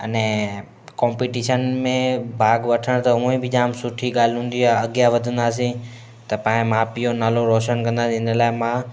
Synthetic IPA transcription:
ɐnɛ̃ | kɔ̃ːmpiːʈiːʃənmẽbʱaːɡʋɐʈʰəɽ̃t̪ɐɦũːẽbʱɪd͡ʑãːmsʊʈʰiɠaːl̤ɪɦũːn̆d̪iaɐɠjaʋɐd̪ʱə̃nd̪aːs̬ĩ | t̪ɐpãːɦɪ̃mãːpijonaːloɾoːʃənkɐ̃nd̪aːsĩɪnəlaːɪmã

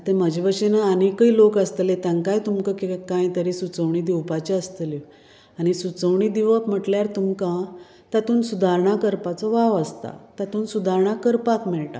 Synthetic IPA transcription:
t̪eməd͡ʑʱebəɕenaanikəilokəst̪let̪jaŋkajt̪umkəkikãjt̪əɾisut͡səʋɳiːd̪iwpat͡ɕeəst̪əli | aɽ̃isut͡səʋɳid̪iʋapm̤əʈljaɾt̪umkã | t̪at̪uːnsud̪aɾɳakəɾpat͡sɔʋaʋəst̪a̰t̪at̪uːnsud̪ʱaɾɳakəɾpat̪mɛɭʈa̰

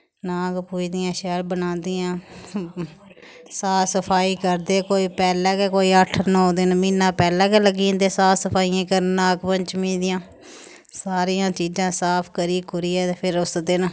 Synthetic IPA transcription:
naːkpuːd͡ʒd̪ɪjãːʃɛːlbənãːnd̪ɪjãː | saːsəpʰaːiːkəɾd̪eːkoːiːpɛːlɛːkɛːkoːiːəʈʰnɔ̃ːd̪ɪnmiːnãːpɛːlɛ̃ːkɛːləɡĩːnd̪eːsaːsəpʰaːiːãːkəɾnaːkpəɲt͡ʃmĩːd̪ɪjãː | saːɾijãːt͡ʃiːd͡ʒãːsaːpʰkəɾiːkʊɾiːɛːt̪epʰɪɾʊsd̪ɪn

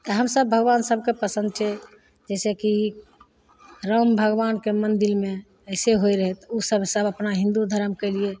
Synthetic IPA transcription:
t̪əɦəmsəbːʱəɡbansəb̚ʱkepəsə̃nd̪̚t͡ʃʰɛ | d͡ʒɛseki | ɾəmbʱəɡʋankemənd̪iɾme | əɪseɦojɾəɦɛt̪usəbsəbəpnaɦĩnd̪ud̪ʱəɾəmkɛlie

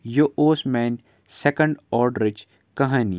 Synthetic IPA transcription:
joʔoːsmɛːn | sɛkə̃ɳɖɔːɾɖɾɪd͡ʒ | kɐɦaːni

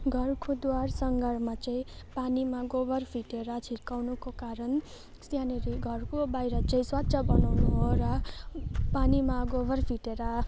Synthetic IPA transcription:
ɡʱʌrkʰod̪warsʌŋɡʱʌɾmat͡saĩpanimaɡobʱʌrpʰiʈeɾʌt͡sʰirkawnukokaɾʌn | st̪janeɾiɡʱʌrkobajɾʌt͡sʌĩswat̪sʰʌbʌnawnuɦoɾʌ | panimaɡobʱʌrpʰiʈeɾʌ

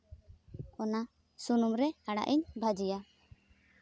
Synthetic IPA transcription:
ɔna | sunumɾɛaɽa̰ʔiɲbʱad͡ʒija

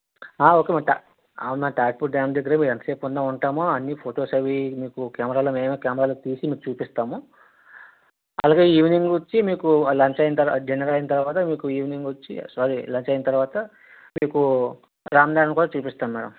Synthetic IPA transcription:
aːoːkemaʈa | a̰ːnmnaːʈaːʈpuʈ̚ɖaːmd̪eɡːɐɾemiːɾɐnt̪ɐ̥seːpund̪aːuɳʈaːmuɐnːipʰoːʈoːsɐʋimiːkukaːmɐɾaːloːme̞ːmeːkjaːmɐɾaːloːt̪iːsimiːkut͡ʃuːpist̪aːmu | ɐ̰laːɡe̞ːiːʋniŋɡot͡ʃːimiːkulɐɲt͡ʃɐjint̪ɐɾd͡ʒenɐɾɐjint̪ɐɾuʋaːt̪ɐmiːkuiːʋniŋɡot͡ʃːḭsaːɾilɐɲt͡ʃɐjint̪ɐɾʋaːt̪ɐ | miːku | ɡɾaːmd̪aːɾɐnkuːɽaːt͡ʃuːpist̪aːmmaːɽɐ̰m

